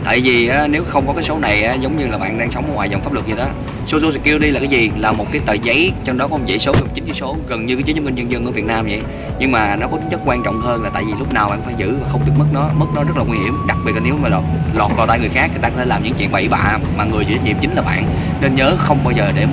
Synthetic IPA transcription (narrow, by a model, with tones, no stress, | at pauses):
t̪a̰ː˧˨jvi˨˩ʔaː˨˦ne˨˦wxə˧wŋ͡mkɔ˨˦kaː˨˦jso˨˦na˨˩jʔaː˨˦zə˨˦wŋ͡mɲɨ˧laː˨˩ɓa̰ː˧˨nɗaː˧ŋsɔ˨˦wŋ͡mɔː˨˦jwaː˨˩jzɔ˨˩wŋ͡mfaː˦˥p̚lɨ˨˩k̚ɲi˧ɗɔ˨˦ | so˨˦zo˨˦sɨ˨˧˩kːi˧əwɗi˧laː˨˩kaː˨˦jzi˨˩laː˨˩mo˨˩t̚kaː˨˦jt̪əː˧˨˩zə˨˦jt͡ɕɔ˧ŋ͡mɗɔ˨˦kɔ˨˦˧zə̰˧˥jso˨˦zə˨˩ŋ͡mt͡ɕï˨˦ŋzɨ˨˦so˨˦ɣə˨˩nɲɨː˧˨˦jə˨˦ə˨˦ŋi˧ɲə˧nzə˧nʔɨ̰˧˦vi˨˩ət̚naː˧mzə̰˧˨j | ɲɨ˧ŋmaː˨˩nɔ˨˦kɔ˨˦ï˨˦ŋ̟t͡ɕə˦˥k̚kwaː˧nt͡ɕɔ̰˧˨wŋ͡mɦəː˧nlaː˨t̪aː˧˨jvi˨˩lʊ˥k͡p̚naː˨˩wɓa̰ː˧˨nfaː˧˩jzɨ̰˧˥a˨˩xə˧wŋ͡mɓi˨˩ət̚mə˦˥t̚nɔ˨˦mə˦˥t̚nɔ˨˦zə˦˥t̚laː˨˩ŋwi˧hi˧˩əmɗa˨˩k̚ɓi˨˩tla˨˩ne˨˦wmaː˨˩lɔ˨˩t̚lɔ˨˩t̚vaː˨˩t̪aː˧jŋɨ˨˩əjxaː˦˥k̚ki˨˩t̪a˧kɔ˦t̪ʰlaː˨˩mɲɨ̰˧˥ŋ˥t͡ɕḭ˧˨ənɓə˧˩jɓa̰ː˧˨ | maː˨˩ŋɨ˨˩jt͡ɕʰḭ˨˧˩zə˦t̚nḭ˨˩mt͡ɕï˨˦ŋ̟laː˨˩ɓa̰ː˧˨n | ne˧nɲəː˨˦xə˧wŋ͡mɓaː˧wzəː˨˩ɗe˧˩